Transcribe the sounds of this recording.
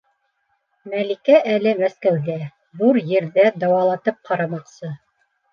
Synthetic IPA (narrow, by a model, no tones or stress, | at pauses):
mælikæʔælɘmæskæwɡæ | ðuɾjɘ̆ɾðæd̪ɑwɑlˠɑt̪ɤp̚qɑɾɑmɑqsɤ